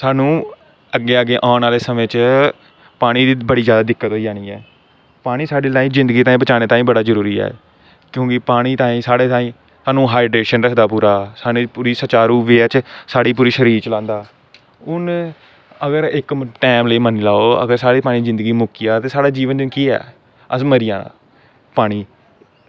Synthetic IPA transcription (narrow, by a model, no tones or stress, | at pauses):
saːnũː | əɡːeːəɡeːʔaːnaːleːsəmẽːt͡ʃ | paːɽ̃iːd̪iːbəɽiːd͡ʒjaːd̪aːd̪ɪkːət̪ɦoːid͡ʒaːɽ̃iːɛː | paːɽ̃iːsaːɖeːlaːĩːzɪ̃nd̪ɡiːt̪aːĩbət͡ʃaːñeːt̪ãːĩːbəɽaːzəɾuːɾiːɛ̰ː | kjõːkɪpaːɽ̃iːt̪ãːĩːsaːɽeːt̪aːĩː | saːnũːɦaːɪɖɾeːʃənɾəsd̪aːpuːɾaːsaːniːpuːɾiːsət͡ʃaːɾuːʋeːt͡ʃsaːɽiːp̬uːɾiːʃəɾiːɾt͡ʃəlãːnd̪aː | ʊn | əɡəɾɪkʈɛːmləiːmənlaːoːə̰ɡəɾsaːɽeːpaːɽĩːd͡ʒɪ̃nd̪ɡiːmʊkɪjaːt̪eːsaːɽaːd͡ʒiːʋənd͡ʒɪkiːɛ̰ː | əsməɾɪjã̰ː | paːɽ̃iː